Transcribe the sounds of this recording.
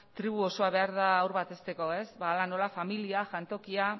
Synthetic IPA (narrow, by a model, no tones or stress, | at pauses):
t̪ɾiβ̞uo̞so̞aβ̞e̞aɾðaːwɾβat̪e̞st̪e̞ko̞e̞sβaːlano̞lafamiliaʝant̪o̞kia